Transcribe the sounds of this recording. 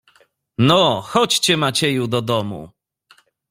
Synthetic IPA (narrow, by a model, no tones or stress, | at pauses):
nɔxɔt͡ɕt͡ɕɛmat͡ɕɛjud̪ɔd̪ɔmṵ